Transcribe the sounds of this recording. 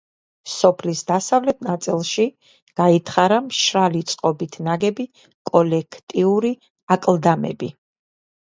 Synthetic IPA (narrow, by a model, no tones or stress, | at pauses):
sɔpʰlisd̪asavlɛt̪̚ʰnat̪sʼilˠʃi | ɡ̥ait̪ʰχaɾamʃɾalit̪sʼqʼɔbit̪ʰnaɡɛbi | kʼɔlɛkʰt̪ʼiuɾi | akʼlˠd̪amɛ̰bi